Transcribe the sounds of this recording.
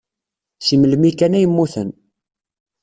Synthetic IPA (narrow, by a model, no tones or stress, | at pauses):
siməlmikænæjəmːuθə̰n